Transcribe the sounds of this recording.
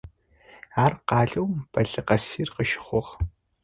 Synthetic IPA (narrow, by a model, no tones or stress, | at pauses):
aːrqɑːɮowmpʰɐɮɨqɐsiːrqəʃɪ̥χʷɔʁ